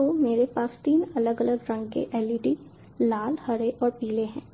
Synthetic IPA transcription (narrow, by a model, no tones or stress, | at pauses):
omeːɾepaːst̪iːnɐləɡələɡɾɐ̃ŋɡkḛʔɛːliʈi | laːlhɐɽeʔɔːɾpiːleɦɛ̃ː